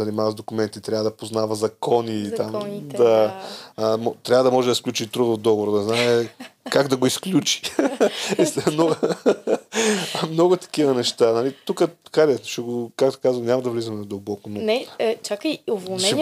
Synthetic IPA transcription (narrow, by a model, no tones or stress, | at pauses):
ɐnʲimavɐzd̪okʊmɛnt̪it̪ɾʲavəd̪ɐpoznavɐzɐkɔnit̪amdd̪a | mɔt̪ɾʲavəd̪ɐmɔʒɛd̪ɐsklʲut͡ʃit̪ɾud̪od̪ɔɡovoɾʊd̪nɛznaɛkaɡd̪ɐɡoisklʲut͡ʃi̥ | sno | mnɔɡʊt̪ɐ̥k̟ivɐnɛʃt̪anɐlit̪ukə̥kalɛʃɛɡokak̚t̪o̥kazvənʲamɐd̪ɐvlizɐmɛd̪ɐlˠbɔkʊnonɛt͡ʃakəjovonɛɛ